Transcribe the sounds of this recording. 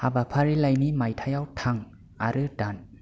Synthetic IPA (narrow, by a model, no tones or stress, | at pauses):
habapʰaɾilajnimajtʰajawtʰaŋ | aɾɯdan